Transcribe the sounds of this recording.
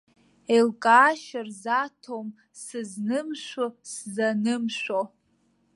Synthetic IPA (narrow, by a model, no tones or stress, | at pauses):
elkʼaːʃarzatʰom | sɨznɨmʃʷoszanɨmʃᶣʷo